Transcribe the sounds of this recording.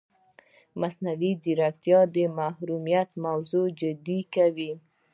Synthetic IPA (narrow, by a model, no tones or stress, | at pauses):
masnawiziɾak̚t̪jɑd̪emahɾumijat̪mawzod͡ʒɪd̪ikawi